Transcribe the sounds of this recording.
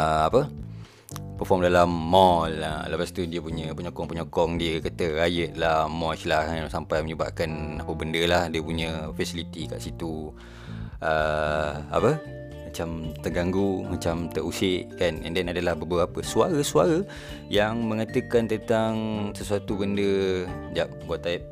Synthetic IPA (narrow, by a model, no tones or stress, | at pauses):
əapə | pəfɔmdalamːɔlələpast̪udiəpuɲəpəɲɔkɔŋpəɲɔkɔŋdiəkət̪əɾajət̪̚lahmɔt͡ʃlahasampajməɲəba̰ʔkanapəbəndəlahdiəpuɲə̃fasilit̪ika̰ʔsit̪u | ə | a̰pə | mat͡ʃamt̪əɡaŋɡumat͡ʃamt̪əʔusɪʔanɛ̰ndɛnadəlahbəbəɣapəsuaɾəsuaɾə | jaŋməŋat̪əkant̪ənt̪aŋsəsuat̪ubəndəd͡ʒaʔ̚ɡaʔt̪aip̚